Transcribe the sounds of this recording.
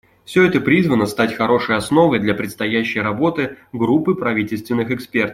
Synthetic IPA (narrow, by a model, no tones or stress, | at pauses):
fsʲɵɛt̪əpɾʲizvənəst̪atʲxɐɾo̞ʂɨjɐsno̞vəjd̪lʲapɾʲɪt̪st̪ɐjæɕːɪjɾɐbo̞t̪ɨɡɾupːɨpɾɐvʲitʲɪlʲst̪vʲɪnːɨxɨkspʲe̞rt̪əf